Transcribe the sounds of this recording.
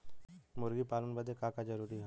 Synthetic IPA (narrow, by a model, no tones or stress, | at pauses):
mʊɾɡipaːlənbəd̪ʱekakad͡ʒɐɾuːɾiɦɛ